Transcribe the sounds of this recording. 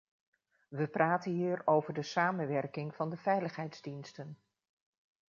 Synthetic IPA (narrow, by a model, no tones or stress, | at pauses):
ʋəpraːtənɦiːɾowvəɹdəsaːmənʋɛɹkɪŋv̥ɑndəvɛjləχɦɛjtzdinstən